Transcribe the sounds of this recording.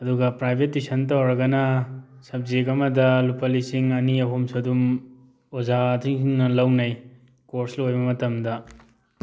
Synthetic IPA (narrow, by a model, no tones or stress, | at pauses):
ɐduɡɐpɾajbʱet̚ːisɐnt̬ɐwɾɐɡɐnɐ | sɐb̚zekɐmɐdɐlupɐlisiŋɐniɐɦomsɐdum | ozatʰiŋiŋnɐlɐwnɐj | koɾslojbɐmɐtɐmdɐ